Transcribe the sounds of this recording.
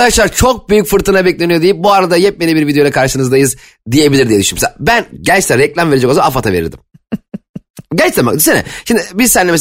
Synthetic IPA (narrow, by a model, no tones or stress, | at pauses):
aʃlˠaɾt͡ʃʰo̞k̚byjycfɯɾt̪ʰɯnabɛc̚lʲenijo̞d̪ejip̚buaɾad̪ajɛp̚melʲibiɾvid̪ejolakʰaɾʃɯnɯzd̪ajɯz | d̪ije̞bilʲiɾd̪ijɛd̪yʃynymsa̰bænɟɛlʲt͡ʃt̪ɛɾɛclʲamve̞ɾid͡ʒɛkozamaafat̪ʰave̞ɾḭɾd̪i̥̰m | ɟɛlt͡ʃt̪ɛma̰d̪isenɛ̰ʃimd̪ɪbizsɛnlʲːemes